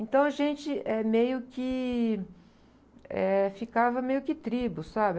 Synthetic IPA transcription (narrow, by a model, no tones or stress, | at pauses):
ẽnt̪ɐ̃w̃ɐʒẽnt͡ʃɪɛmejʊkɪ | ɛ̰fikavɐmejʊkɪt̪ɾibʊsabɪ